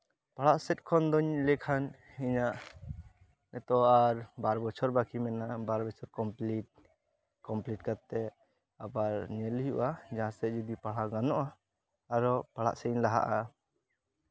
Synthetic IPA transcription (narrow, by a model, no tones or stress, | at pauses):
paɭaʔsɛt̪̚ˀkʰɔnd̪ɔɲlɛkʰan | iɲaʔ | nɛt̪ɔaɾbaɾbɔt͡ʃʰɔɾbakʰimɛnabaɾbɔt͡ʃʰɔɾkɔmpliʈ̚ | kɔmpliʈ̚kat̪ɛ | abaɾɲɛlijṵʔad͡ʒaãsɛt̪̚d͡ʒud̪ipaɽaɡanɔʔaː | ɾɔpaɽa̰ʔsɛnlaɦa̰ʔa